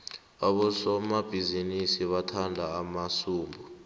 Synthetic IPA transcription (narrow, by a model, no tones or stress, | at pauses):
aɓɔsɔmab̥ʱizinisiɓatʰandʱaːmasuːmbʱɔ